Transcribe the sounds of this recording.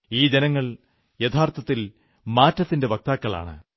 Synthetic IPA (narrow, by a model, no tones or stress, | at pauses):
iːd͡ʑenɐŋːɐɭ | jɐt̪ʰaːrt̪ʰɐt̪ːil | maːtːɐt̪ːinde̞bɐk̚t̪aːkːɐɭa̰ːɳɨ̰